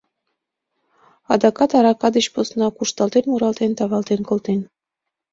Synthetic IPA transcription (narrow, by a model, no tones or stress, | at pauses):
ɑ̰d̪ɑkɑt̪ɑɾɑkɑd̪ə̆ɕposnɑkuʃt̪ɑlt̪enmuɾɑlt̪ent̪ɑβɑlt̪enkolt̪en